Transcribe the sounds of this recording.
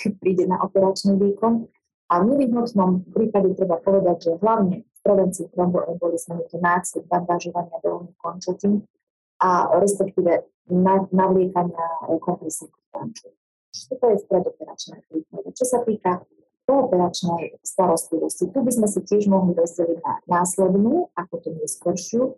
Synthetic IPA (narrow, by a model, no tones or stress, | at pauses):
kɛc̚pɾiːɟɛna̰ʔɔpɛɾat͡ʃniʋiːkɔn | ʔavɲɛʋiɦnɔt̪nɔmpɾiːpaɟɛt̪ɾɛbapɔʋɛd̪aɟʒɛɦlaʊɲɛsp̪ɾɛʋɛnt͡sit̪ɾɔmbɔʔɛmbɔlizmɛɲit̪ɔnaːsɛdbaŋɡ̪aʒɔʋaɲɪad̪ɔlnikɔnt͡ʃacim | aɾɛspɛk̚t̪iːʋɛ | nanaʋlɪɛkaɲɪaɾɛ̰kɔŋpɾɛsinixta̰nt͡ʃu | t̪ɔt̪ɔjɛst̪ɾɛd̪ɔpɛɾa̰t͡ʃnɛ̰kɾiːpnad̪at͡ʃɔsat̪iːka | kɔːpɛɾat͡ʃnɛjst̪aɾɔst̪liʋɔscit̪ubizmɛs̬icɪɛʒmɔɦlid̪ɔzd͡ʑaliɟna̰naːslɛd̪nuːakɔt̪uɲɛskɔɾʃɪu